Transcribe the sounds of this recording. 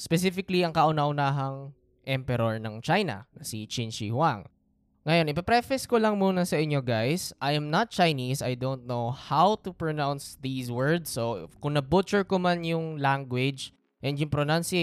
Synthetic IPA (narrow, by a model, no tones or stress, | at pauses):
spɛsifɪkliɐŋkɐʔʊnɐʔʊnaːɦɐŋ | ʔɛmpɛɾoɹnɐŋt͡ʃajnɐ̰nɐsit͡ʃɪnt͡ʃḭhwaŋː | ɐjo̞nʔɪpɐpɾɛfɛskolɐŋmuːnɐsɐʔɪɲːo̞ɡajsʔɐjɐmnɐt̪̚t͡ʃɐjnisɐ̰jd̪ont̪̚nowhawt̪upɹonawnsðiːswɜɹd̪sːokʊŋnɐbut͡ʃʊɹkomanjʊŋlaŋɡwɪd͡ʒ | ʔɛnd̪jʊŋpɾonawnsi